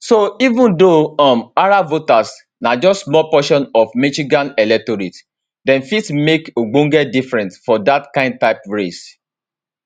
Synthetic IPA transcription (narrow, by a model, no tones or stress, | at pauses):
soivũndoɔ̃maɹavotas | nad͡ʒɔstmɔpɔʃɔ̃nɔfmiʃiɡãnɛlɛk̚toɾit | dɛ̃nfitmekoɡ͡bõŋɡɛdifɹɛ̃ntfɔdatkãɪ̃nd̚taɪpɔɹes